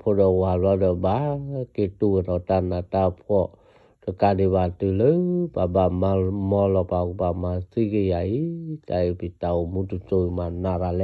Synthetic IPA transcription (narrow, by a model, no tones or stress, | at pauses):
pʰɔdɔwaladəbaketuənɔtanːatapʰɔ | d̥əkadiβatələbabammɔlɔpakubamasiɡejaikaipitaumutut͡ʃoimanaɾalɛ